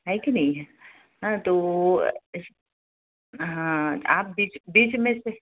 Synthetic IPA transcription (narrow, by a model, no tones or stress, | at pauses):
ɦaikinɐɦĩɦɛ | ɦãt̪o | ɦãaːp̚biːt͡ʃbiːt͡ʃmẽse